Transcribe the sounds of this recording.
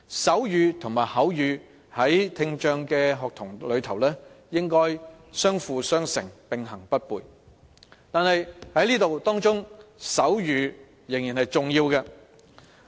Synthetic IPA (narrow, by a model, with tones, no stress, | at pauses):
sɐ˨˥wjyː˨˧t̪ʰʊ˨˩ŋmaː˨jhɐ˨˥wjyː˨˧ | hɐ˨˥jt̪ʰɪ˧ŋt͡ʃœː˧ŋkɛː˧ɦɔː˨k̚t̪ʰʊ˨˩ŋlɵ˨˧ɥt̪ʰɐ˨˩wlɛː˥jɪ˥ŋkɔː˥j | sœː˥ŋfuː˨sœː˥ŋsɪ˨˩ŋpɪ˨ŋɦɐ˨˩ŋpɐ˥t̚puː˨j | t̪aː˨nhɐ˨jhɐ˨˥jliː˥t̪o˨wt̪ɔː˥ŋt͡sʊ˥ŋsɐ˨˥wjyː˨˧ | jɪ˨˩ŋjiː˨˩nhɐ˨jt͡sʊ˨ŋjiː˧wkɐː˧